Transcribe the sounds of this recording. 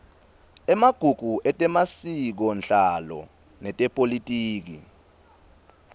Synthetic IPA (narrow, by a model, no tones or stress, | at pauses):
ɛmaɡ̥ʱuɡ̥ʱuʔɛtʼɛmasik̬ɔnd͡ɮalɔ̰ | nɛtʼɛpʼolitʼiːk̬ḭ